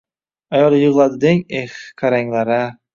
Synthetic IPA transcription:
ajɒlˠɪjʊʁlˠad̪ɪd̪eŋexkʰaɾaŋlaɾa

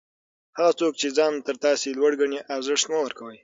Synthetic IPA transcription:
haɣat͡sok̚t͡ʃed͡zɑnt̪əɾt̪ɑselwaɽɡaɳeʔɑɾzɪʂt̪nawəɾkawəj

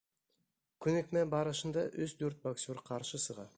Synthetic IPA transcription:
kʲʰɵnekmæbɑɾəʃənd̪ɑʔɵst̪ʰɵɾt̪̚baksʲuɾqʰɑɾʃəsəʁɑ

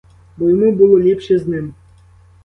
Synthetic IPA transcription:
bojmubɨlˠolʲipʃeznɪm

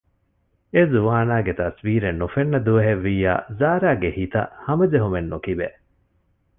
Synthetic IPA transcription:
ezuʋaːnaːɡet̪ɐsʋiːɾenːufenːɐd̪uɐɦeʋːiːja̰ːzaːɾaːɡehit̪ɐ̰hɐmɐd͡ʒeɦumenːukibe

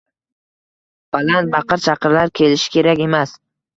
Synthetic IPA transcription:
b̥alant̪̚bɑqɨɾt͡ʃʰɑqʰɨɾlaɾkʲʰe̞lɪʃɪ̥kʲʰe̞ɾakʲe̞mas

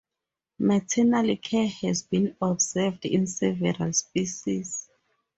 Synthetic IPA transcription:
matʰɛnalikʰɛhɛzbĩnɔbzɛvdḭ̃nsɛvɛɹa̰lspiʃis

